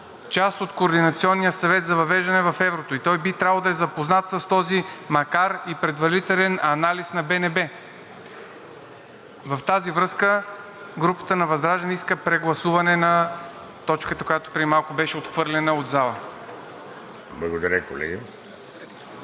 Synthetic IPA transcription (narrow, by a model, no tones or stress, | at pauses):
t͡ʃast̪ot̪koːɾd̪inɐt̪siɔnːijəsɐvɛt̪zɐvɐvɛʒd̪ɐnɛvɐfɛvɾot̪oit̪ɔjbit̪ɾʲavəlˠd̪ɐɛzɐpoznat̪səst̪ɔzimɐkaɾipɾɛd̪vɐɾit̪ɛlɛnɐnalisnɐbɛnɛbɛ | vɐft̪azivɾɤskə | ɡɾupə̥t̪ənɐvɐzd̪ɾaʒɐnɛiskəpɾɛɡlˠɐsuvɐnɛnɐ | t̪ɔt͡ʃkət̪əkojat̪o̥pɾɛimalˠkʊbɛʃɛot̪xvɤɾlʲɛnəod̪zalˠə | blˠɐɡod̪ɐɾʲəko̰lɛ̰ɡə